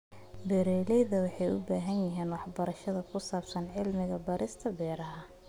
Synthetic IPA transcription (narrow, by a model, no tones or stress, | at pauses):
bɛɾɛjlɛjðɐwɑħɑjʊ̰baːɦɐnjɐɦiːnwɑħbɐɾɐʃɐðɐkʰʊsaːbsɐnʕɪlmɪɣɐbɐɾʔɪst̪ʰɐbɛːɾɐɦɐ